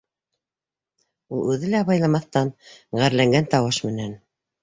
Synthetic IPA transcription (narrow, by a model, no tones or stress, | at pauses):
ulˠʉðɘlæβɑjlˠɑmɑθt̪ɑnʁæɾlæŋɡænt̪ɑwɤʃmɘ̆næn